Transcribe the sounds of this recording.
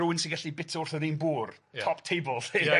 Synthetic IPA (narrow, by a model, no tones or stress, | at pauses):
ʊwɪnsɪ̃ŋɡaɬibɪtʰʊrθɔɾinbuːrʰɔptʰejbəlˠte